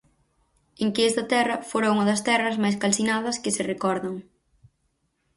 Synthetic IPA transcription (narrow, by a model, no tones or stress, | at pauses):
eŋkɪɛst̪ɐt̪ɛrɐfoɾauŋɐðɐst̪ɛrɐzmajs̬kalsinað̞ɐskɪsɪrekɔɾðɐŋ